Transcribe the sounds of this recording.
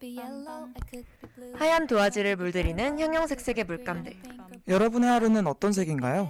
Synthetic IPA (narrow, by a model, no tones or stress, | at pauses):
hajamtoad͡ʑiɾɯɭmuɭdɯɾinɯnçjʌŋjʌŋsʰe̞k̚s͈e̞ɡe̞muɭk͈amde̞jʌɾʌbuneɦaɾɯnɯnʌt͈ʌnsʰe̞ɡinɡajo